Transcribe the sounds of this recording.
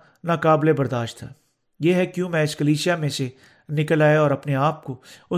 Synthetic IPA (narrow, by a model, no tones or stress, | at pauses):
naːkaːblebɐɾd̪aːʃt̪ʰːa̰ː | jeːɦɛkjũmɛ̃ɪskəliːʃijamẽse | nɪkəlaːjaɔːɾɐpneaːp̚koʊ